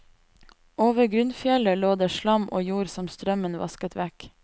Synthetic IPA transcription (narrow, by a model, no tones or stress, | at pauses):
ʔoːʋəɡɾʉnfjɛləloːd̪eːʃlɑmʔo̰ːjuːɾsɔmst̪ɾœmənʋɑ̰skət̪ʰʋæk